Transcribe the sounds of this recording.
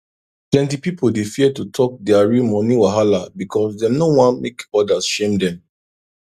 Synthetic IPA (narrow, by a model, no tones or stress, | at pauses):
plɛ̃ntipipʰoldefiɛtutʰɔk̚dɛaɹimɔniwaɦalabikʰɔsdɛ̃mnowãnmekɔdasʃẽmdɛ̃m